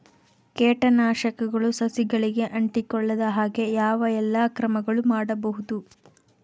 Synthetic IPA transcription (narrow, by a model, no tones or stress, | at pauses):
keːʈɐnaːʃɐkɐɡɐɭusɐsiɡɐɭiɡe̞ʔɐɳʈikɔɭːɐd̪ɐɦaːɡe̞jaːʋɐɛlːaːkɾɐmɐɡɐɭumaːɽɐbɐɦud̪u